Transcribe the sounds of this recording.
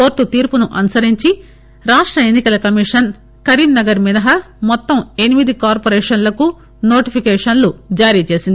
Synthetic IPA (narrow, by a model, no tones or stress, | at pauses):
po̞ːɾʈːut̪iːɾpunuʔɐnusɐɾiɲt͡ʃi | ɾaːʂʈɾɐenːikɐlɐkɐmiʂɐn | kɐɾiːmnɐɡɐɾminɐɦɐ | mɔt̪ːɐme̞nimid̪ikaːɾpoːɾeːʂɐnlɐku | no̞ːʈipʰikɛːʂɐnlud͡ʒaːɾiːt͡ʃeːsind̪i